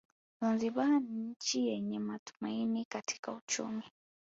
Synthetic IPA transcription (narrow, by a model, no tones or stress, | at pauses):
zanziɓaniɲ̩t͡ʃijɛɲɛmatu̥mainikatʰi̥kaut͡ʃṵmi